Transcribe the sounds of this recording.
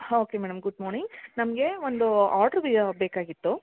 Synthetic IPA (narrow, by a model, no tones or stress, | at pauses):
oːkemɛːɽɐmɡuɖmɔːɾniŋɡnɐmɐɡe̞ond̪uaːʈɐɾʋiɐbeːkaːɡit̪ːu